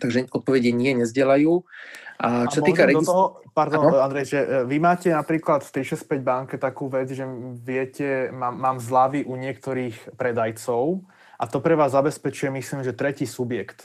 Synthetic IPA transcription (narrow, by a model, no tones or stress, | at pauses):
t̪aɡʒɛɔt̪̚pɔʋɛɟɪɛɲɪɛɲɛzɟɪɛlajuːʔat͡ʃɔsatɔikaɾɛd̪ɔɔɦɔpaɾd̪ɔnand̪ɾɛjʒɛʋimaːcɛnapɾiːklat̪ft̪iʃɛsc̚pɛɟbaŋkɛt̪akuːʋɛd͡zʒɛʋɪɛcɛmaːaːmzlaʋiʔuɲɪɛkt̪ɔɾiːxpɾɛd̪ajt͡sɔʊ | ʔat̪ɔpɾɛʋaːzːabɛspɛt͡ʃujɛmisliːmʒɛt̪ɾɛciːsubjɛkt̪